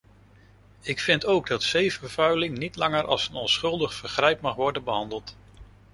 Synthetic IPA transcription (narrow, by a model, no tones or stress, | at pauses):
ɪkfɪntowɡ̚dɑtsejvəɹv̥œɥlɪŋnitlɑŋəɹʔɑ̰lˠsənɔnsχɵlˠdəχfəɹχrɛjpmɑχʋɔɹdənbəɦɑndəlˠt